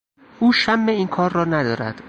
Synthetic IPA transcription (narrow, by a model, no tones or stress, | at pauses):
ʔuːʃæmːeiːnkʰɒːɾːɒːnæd̪ɒːɾæ̰d̪̥